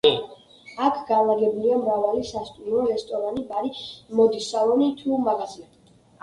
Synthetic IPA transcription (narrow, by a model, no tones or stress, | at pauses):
akʰɡavaɡɛbuliamɾavalisast̪ʼumɾɔɾɛst̪ʼɔɾanibaɾimɔd̪isalˠɔnit̪ʰumaɡazia